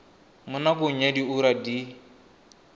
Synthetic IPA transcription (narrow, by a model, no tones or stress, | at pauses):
mʊnakʊɲ̩adiuɾadi